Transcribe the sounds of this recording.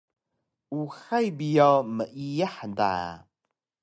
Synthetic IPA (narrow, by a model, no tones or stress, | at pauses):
uxajbijaməʔijəħnda̰